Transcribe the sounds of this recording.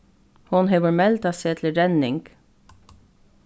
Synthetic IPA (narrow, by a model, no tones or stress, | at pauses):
hʊnɦeːʋɔɹmɛlt̪ɑseːt̪ʰlɾɛnɪŋɡ̥